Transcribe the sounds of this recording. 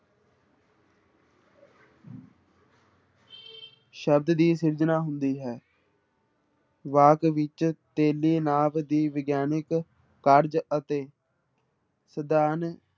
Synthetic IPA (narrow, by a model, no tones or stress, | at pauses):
ʃəb̚d̪d̪iːsɪɾd͡ʒnaːɦʊnd̪iːɦɛː | ʋaːkʋɪt͡ʃt̪eːlːiːnaːʋd̪iːʋɪɡjaːnɪkː | əɾd͡ʒət̪eː | səd̪aːn